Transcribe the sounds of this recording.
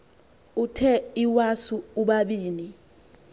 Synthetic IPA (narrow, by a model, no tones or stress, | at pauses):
utʰɛiwasuuɓaɓiːni